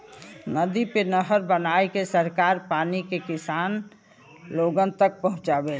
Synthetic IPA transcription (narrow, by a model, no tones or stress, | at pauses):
nəd̪ipenəɦəɾbənaːekesəɾkaːɾpaːnikekɪsaːn | loːɡənt̪ək̚pəɦʊ̃t͡ʃabeːl